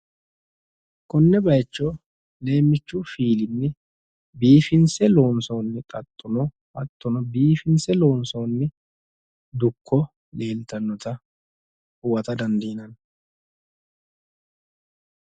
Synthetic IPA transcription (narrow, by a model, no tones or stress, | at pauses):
kʊnːɛbɐjt͡ʃːɔ | le̞ːmːɪt͡ʃːʊfiːlɪnːɛ | biːfɪnsɛloːnsoːnːɪt̪ʼɐt̪ʼːʊnɔ | ʔɐt̪ʼːɔnɔbiːfɪnsɛlo̞ːnsoːnːɛ | d̪ʊkʰːɔ | le̞ːlt̪ɐnːɔt̪ɐ | hʊwɐt̪ɐd̪ɐnd̪iːnɐn